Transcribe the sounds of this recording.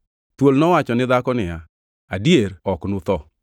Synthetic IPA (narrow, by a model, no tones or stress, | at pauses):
t̪wolnɔwat͡ʃɔnɪd̪akɔnɪja | adieɾɔknʊt̪ɔ